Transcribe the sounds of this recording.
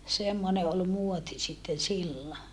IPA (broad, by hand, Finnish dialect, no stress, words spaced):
semːone ol muoti sitːen silːo